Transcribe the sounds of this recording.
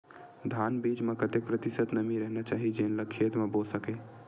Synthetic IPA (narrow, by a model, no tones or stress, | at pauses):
d̪ʱanbid͡ʒmẽkət̪ek̚pɾət̪isət̪nəmiɾəɦnat͡ʃaːɦid͡ʒenləkʰːet̪mebosəke